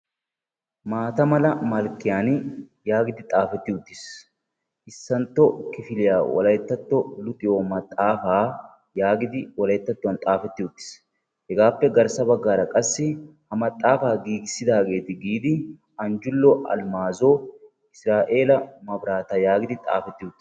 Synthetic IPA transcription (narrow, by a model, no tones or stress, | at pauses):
maːt̪ɐmɐlɐmɐlkɪjaːnɪjaːɡɪd̪ɪt̪ʼaːfɛt̪ːɪʊt̪ʼːɪs | ʔɪsːɐnt̪ɔkɪfɪlɪjaːwɐ̰lɐjɛt̪ːɐt̪ːɔlʊt̪ʼɪjoːmɐt̪ʼːaːfaː | jaːɡɪd̪ɪwɐlɐjɛt̪ːɐt̪ːʊɐnt̪ʼaːfɛt̪ːɪʊt̪ːɪ̥s | hɛɡaːpːɛɡɐɾsɐbɐɡːaːɾɐkʼɐsːɪhɐmɐt̪ʼːaːfaːɡiːɡɪsɪd̪aːɡe̞ːt̪ɪɡiːd̪ɪ | ɐnd͡ʒʊlːɔʔɐ̰lmaːzo | ɪsɾaːʔe̞ːlɐmɐbɾaːt̪ɐjaːɡɪd̪ɪt̪ʼa̰ːfɛt̪ːɪʊt̪ːɪ